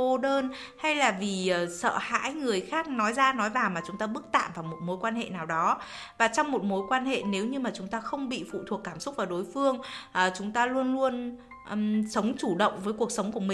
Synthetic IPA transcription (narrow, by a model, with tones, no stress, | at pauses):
o˧ɗəː˧n | ha˧jlaː˨˩viː˨˩˨sə̰ː˧˨ha̰ː˧˥jŋɨ˨˩əjxaː˦˥k̚nɔ˨˦jzaː˧nɔ˨˦jvaː˨˩wmaː˨˩t͡ɕʊ˨˦ŋ͡mt̪aː˧ɓɨ˦˥ək̚t̪a̰ː˧˨mvaː˨˩wmo˨˩t̚mo˨˦jkwaː˧nhḛ˧˨naː˨˩wɗɔ˨˦ | vaː˨˩t͡ɕɔ˧wŋ͡mmo˨˩t̚mo˨˦jkwaː˧nhḛ˧˨ne˨˦wɲɨ˧maː˨˩t͡ɕʊ˨˦ŋ͡mt̪aː˧xə˧wŋ͡mɓḭ˧˨fṵ˧˨t̪ʰu˨˩əkːaː˧˩msʊ˦˥k͡p̚vaː˨˩ɗo˨˦jfɨ˧əŋʔːt͡ɕʊ˨˦ŋ͡mt̪aː˧lu˧ənlu˧ən | ʔsə˨˦wŋ͡mt͡ɕu˧˩ɗə̰˧˨wŋ͡mvəː˨˦jku˨˩ək̚sə˨˦wŋ͡mku˧˩əmï˨